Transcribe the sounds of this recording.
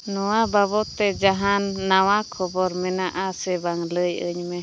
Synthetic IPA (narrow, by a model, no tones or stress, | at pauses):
nuwabaβot̪ɛd͡ʒaɦanːawakʰɔbɔɾmɛnaʔasɛbaŋləjə̰ɲme